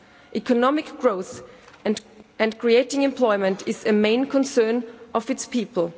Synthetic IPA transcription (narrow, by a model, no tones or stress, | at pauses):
ʔikʰɔnɔmɪkɡ̥ɹoʊθ | ɨ̃nkʰɹ̥ieɪtɪ̃ŋɨ̃mpʰl̥ɔɪmɨ̃ntʰɪzɨmẽɪ̃nkʰɔ̃nsɜ̃˞nʔɔvɨtspʰiːpl̩ˠ